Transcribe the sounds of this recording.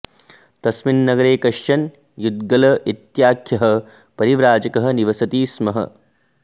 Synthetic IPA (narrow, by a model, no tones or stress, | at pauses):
t̪ɐsminːɐɡɐɾeːkɐʃːɐn | jud̪̚ɡɐlɐʔit̪jaːkʰjɐɦɐ | pɐɾiʋɾaːd͡ʒɐkɐɦɐ̆niʋɐsɐt̪iːsmɐɦɐ̰